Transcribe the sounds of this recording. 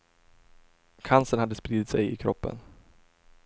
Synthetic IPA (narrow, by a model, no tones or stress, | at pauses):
kʰansənhad̪ːəspɾiːd̪ɪt̪sɛjɪkʰɾɔpːə̰n